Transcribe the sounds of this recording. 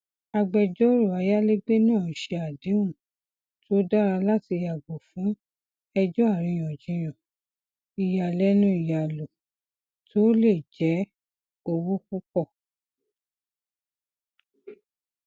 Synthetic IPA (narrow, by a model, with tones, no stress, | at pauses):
a˧ɡ͡bɛ˧d͡ʒɔ˦ɾo˦˨a˧ja˦le˦ɡ͡be˦nã˦˨ʃe˧a˨de˨˦ũ˦˨ | tʰo˦da˦ɾa˧la˦ti˧ja˨ɡ͡bo˨fũ˨˦ | ɛ˧d͡ʒɔ˦a˦˨ɾĩ˧j̃ɔ̃˨d͡ʒĩ˧j̃ɔ̃˨ | i˨ja˨lɛ˦nũ˦i˨ja˨lo˨ | tʰo˦le˦˨d͡ʒɛ˨˦ | o˧wu˦ku˦k͡pɔ˦˨